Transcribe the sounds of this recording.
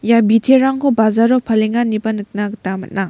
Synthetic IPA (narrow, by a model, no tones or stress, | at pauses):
jabitʰeɾaŋkʰɔbazaɾɔpʰaleŋanibɐnɯk̚naktamɐ̰t̚naŋ